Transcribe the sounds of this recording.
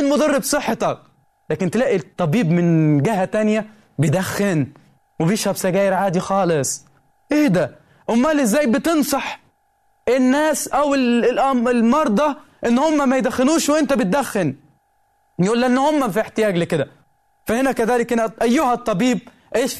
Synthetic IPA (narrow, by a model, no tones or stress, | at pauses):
ɪnmʊd̪ɑrːɪbsˤɨħːet̪ɑk̚ | læːkɪnt̪ɪlæːʔit̪ˤːɑbiːbmɪnɡɪɦæt̪ænjæ | bjd̪æxːɪn | wɪbjeʃhæbsæɡæːjɪɾʕaːd̪ixɑːlɪsˤ | ʔeːd̪æ | ʔʊmːælɪzːæːjbɪt̪ɨnsˤɑħ | ʔɪnːæːsʔæwɪlʔɑɪlmɑɾˤd̪ˤɑ | ʔɪnːhʊmːæmæjd̪æxːɪnuːʃwʔɪnt̪æbɪt̪̚d̪æxːɪn | jʔuːlːæʔenːhʊmːæfieħt̪ɪjæːɡlikɪd̪æ | fæhɪnækæðæːlɪkhɪnæʔæjːʊhæt̪ˤːɑbiːb̚ | ʔeːʃ